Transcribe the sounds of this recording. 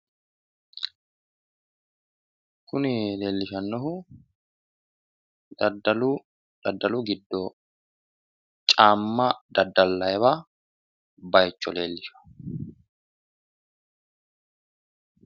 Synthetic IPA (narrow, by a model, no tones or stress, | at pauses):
kʊnɪle̞ːlːɪʃɐnːɔɦʊ | d̪ɐdɐl | d̪̥ɐd̪ːɐlʊɡɪd̪ːɔ | t͡ʃʼaːmːɐd̪ɐd̪ːɐlːɐjɛβa | bɐjt͡ʃːɔleːlːɪʃɐ̥